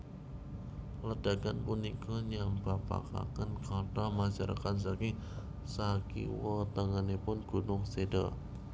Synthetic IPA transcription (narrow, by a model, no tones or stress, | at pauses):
lədaɡanpunikuɲambapa̰ka̰kankat̪amasaɾa̰kans̬aki | sakḭwət̪aŋanepʊnɡ̥unʊŋseda̰